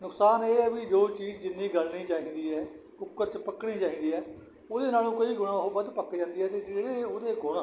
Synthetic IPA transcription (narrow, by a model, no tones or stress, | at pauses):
nʊksaːneːɛːʋid͡ʒoːt͡ʃiːd͡ʒd͡ʒɪnːĩːɡəlniːt͡ʃaːĩːd̪iːɛː | ʊkːəɾt͡ʃpəkɽ̃iːt͡ʃaːĩːd̪iːɦɛː | oːd̪eːnaːlũːkoiːɡʊɽ̃ãːɦoːbəd̪pəkːed͡ʒãːnd̪iːɦɛːt̪eːd͡ʒeːɽeːoːd̪eːɡʊɽaː